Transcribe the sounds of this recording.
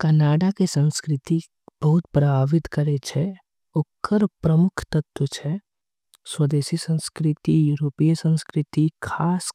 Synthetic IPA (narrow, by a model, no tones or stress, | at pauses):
kɐnaːɖakesə̃nskɾɪt̪i | b̥ɐɦʊt̪pɾɐbʱaːʋɪt̪kɐɾet͡ʃʰɛ | ʊkʰːəɾpɾɐmʊkʰt̪ɐt̪wət͡ʃʰɛ | swɐd̪eːsisə̃nskɾɪt̪ijuːɾoːpijsə̃nskɾɪt̪ikʰaːs